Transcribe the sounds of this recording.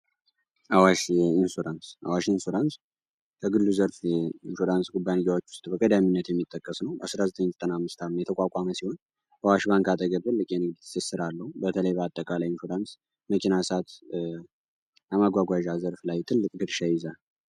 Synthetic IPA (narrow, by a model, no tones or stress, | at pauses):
ʔawaʃɪnsuɾansʔa̰waʃɪnsuɾans | kʰəɡɨlːuzəɾfɪnsuɾansɡʼubːaniɡawot͡ʃːwʊ̥st̪ʼbəkʼəd̪aminːət̪jɛmːit̪ʼːəkʼːəsnəwa̰sɾazət̪ʼəɲzət̪ʼənamːɨst̪ʰamːjɛt̪ʰəkʼakʷʼaməsiho̞n | bawaʃbaŋkat̪ʼəɡəbt̪ɨlːɨkʼjɛnɨɡd̪sesɨɾalːəhubət̪ʰələjbəat̪ʼːəkʼalajɪnsud̪ans | məkʰinasat̪ | ləmaɡʷaɡʷaʒazəɾflajt̪ʰɨlːɨkʼd̪ɨɾʃajɪza